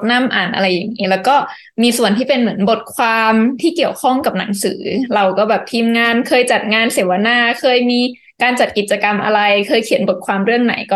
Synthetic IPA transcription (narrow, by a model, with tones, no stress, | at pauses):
t̪̚na˥˩mʔaː˨˩nʔa̰˧ɾa˧jːa˨˩ŋːiː˦˥lɛː˦˥wkɔː˥˩ | miː˧su˨˩ənt̪ʰiː˥˩pe˧nmɯ˩˦ənbo˨˩t̪̚kʰwaː˧mt̪ʰiː˥˩ki˨˩əwkʰɔ˥˩ŋka˨˩p̚na˩˦ŋsɯ̰ː˩˦ɾa˧wkɔː˥˩bɛː˨˩p̚t̪ʰiː˧mŋaː˧nkʰɤː˧jt͡ɕa˨˩t̪̚ŋaː˧nseː˨˩˦wa˧naː˥˩kʰɤː˧jmiː˧ | kaː˧nt͡ɕa˨˩t̪̚ki˨˩t̪̚t͡ɕa˧ka˧mʔa̰˧ɾa˧jkʰɤː˧jkʰi˨˩˦nbo˨˩t̪̚kʰwaː˧mɾɯ˥˩əŋna̰˩˦jkɔː˥˩